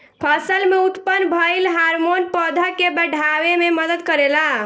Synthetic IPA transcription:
pʰəsəlmeut̪pənbʱəjlɦaɾmonpəd̪ʱəkːebəɖʱaʋememəd̪əd̪kəɾela

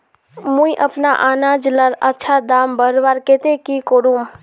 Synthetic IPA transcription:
mũiʔəpna̰ʔaːnaːd͡ʒləɾətːʃʰad̪aːmbəɾʋaɾket̪ekikoɾum

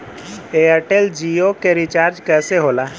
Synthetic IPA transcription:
eəʈeld͡ʒiokeɾit͡ʃaːɾd͡ʒkɛːseɦola

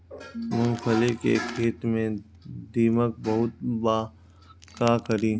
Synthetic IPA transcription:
mʊnxəlɪkḛːkʰiːt̪mẽ | d̪iːmək̚bɐɦʊt̪̚baː | kaːkəɾiː

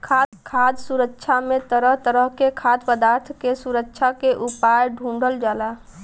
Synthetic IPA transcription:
kʰakʰad̪suɾəkːʃʰamet̪əɾəɦt̪əɾəɦkekʰad̪pəd̪aɾt̪ʰkesuɾəkːʃʰakeʔupajɖʱũɳɖʱəld͡ʒala

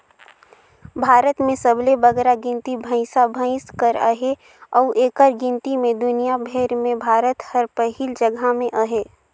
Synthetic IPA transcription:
bʱaːɾət̪mẽsəblebəɡɾaɡɪ̃nt̪ibʱə̃ɪ̃sabʱə̃ɪ̃skəɾə̰ɦe | ɔːʔeːkəɾɡɪ̃nt̪imẽd̪ʊnijabʱeːɾmẽbʱaːɾət̪həɾpəɦiːld͡ʒəɡʱamẽʔəɦeː

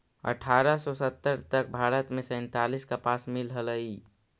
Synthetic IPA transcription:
ə̰ʈʰaːɾəsɔsət̪ːəɾt̪ək̚bʱaːɾət̪mẽsɛ̃ːnt̪aliskapaːsmɪlɦələi

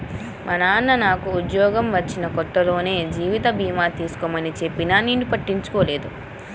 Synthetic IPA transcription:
mʔɐnaːnːɐnaːkuːd̪jɔːɡɐmʋɐt͡ʃːinɐkɔt̪ːɐlo̞ːne̞ːd͡ʒiːʋit̪ɐbʱiːmaːt̪iːsu̥komɐnit͡ʃe̞pːinaːniːnipɐʈːiɲt͡ʃu̥koːle̞ːd̪u

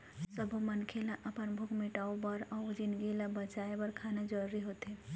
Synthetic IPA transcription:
səbʱumɐnkʰelaʔɐpənbʱʊkmɪʈaːobɐɾad͡ʒɪnɡilabɐt͡ʃaːebɐɾkʰaːnad͡ʒɔɾɾiɦoːt̪e

